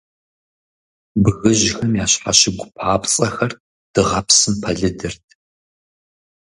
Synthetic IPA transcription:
bɣɨʑxɐmjaːɕħa̰ɕɪɡʷʊpʰaːpt͡sʼɐxɐr | d̥ɨʁɐpsɨmpʰɐɮɨdɐrtʰ

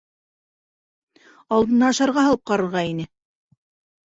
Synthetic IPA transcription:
ɑlˠd̪ɤ̆nːɑɤ̆ʃɑɾʁɑɦɑlˠɤp̚qɑɾɤ̆ɾʁɑinɘ

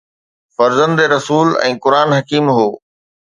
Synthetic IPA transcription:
fɐɾzə̃nd̪eɾɐsuːlɛ̰̃ːkʊɾaːnɦɐkiːmɦoː

